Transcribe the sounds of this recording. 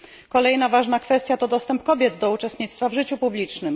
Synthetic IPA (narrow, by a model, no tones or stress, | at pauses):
kɔlɛjnavaʐnakfɛst̪ʲjat̪ɔd̪ɔst̪ɛmpkɔbʲjɛd̪d̪ɔut͡ʂɛst̪ɲit̪st̪favʐɘt͡ɕupublʲit͡ʂnɘm